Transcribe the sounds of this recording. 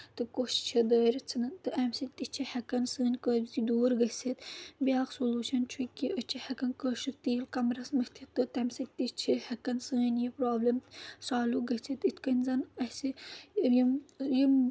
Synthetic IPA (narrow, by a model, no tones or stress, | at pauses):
t̪ɨkoʃt͡ʃʰid̪əːɾɐt͡sʰɐnɐnt̪ɨʔɐmsit̪it͡ʃʰihɐkɐnsɨːnʲkəːbzid̪uːɾɡɐt͡sit̪bʲjaːksoluːʃɐnt͡ʃʰukʲiʔət͡ʃʰihɐkɐnkəːʃɨt̪iːlkɐmɾɐsmɐhʲt̪ʰit̪ːɨt̪ɐmsit̪it͡ʃʰihɐkɐnsɨːnʲjipɾaːblɐmsaːluɡɐt͡sʰit̪it̪ʰkɐnʲzɐnɐsijimjim